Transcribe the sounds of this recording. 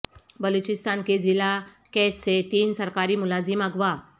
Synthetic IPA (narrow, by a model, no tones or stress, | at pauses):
bəlut͡ʃɪst̪aːnkezɪla | kɛːsːet̪iːnsɐɾkaːɾimʊlaːzɪmɐɡʋa